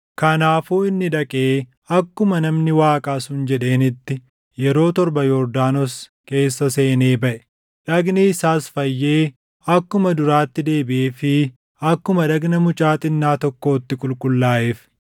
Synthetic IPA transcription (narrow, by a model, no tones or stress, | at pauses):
kɐnaːfuːɪnːɪᶑɐkʼeː | ɐkːʊmɐnɐmnɪwaːkʼaːsʊnd͡ʒɛᶑe̞ːnɪt̪ːɪ | jɛɾo̞ːt̪ɔɾbɐjɔɾd̪aːnɔske̞ːsːɐse̞ːne̞ːbɐʔɛ̥ | ᶑɐɡneɪsaːsfɐjːe̞ː | ɐkːʊmɐd̪ʊɾaːt̪ːɪd̪e̞ːbɪʔeːfɪ | ɐkːʊmɐᶑɐɡnɐmʊt͡ʃʼaːt̪ʼɪnːaːt̪ɔkːo̞ːt̪ːɪkʼʊlkʼʊlːaːʔeːf